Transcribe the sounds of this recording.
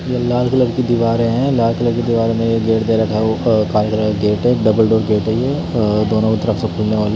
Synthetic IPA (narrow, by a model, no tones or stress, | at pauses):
jelaːlkɐləɾkid̪ɪʋaːɾẽɦɛ̃laːlkɐləɾkid̪iʋaːɾẽmẽjeɡeːʈd̪eːɾɐt̪ʰɦɛokaːɾjəkəleɡeːʈɦɛɖɐbəlɖoːɾɡeːʈɦɛje | d̪oːnõmɪt̪ːɐɾəfsẽkʰʊlneʋaːl